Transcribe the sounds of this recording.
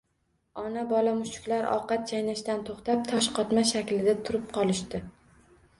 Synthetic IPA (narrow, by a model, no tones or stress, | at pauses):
ɒnabɒlamʊʃt͡ʃʊ̥kʲlaɾʔɒ̰qɑt̪̚t͡ʃʰajnaʃt̪ant̪ʰoχt̪ap̚t̪ʰɒʃqʰɒt̪maʃakʲlɪd̪at̪ʰʊɾɪp̚qʰɒlˠɪʃt̪ɪ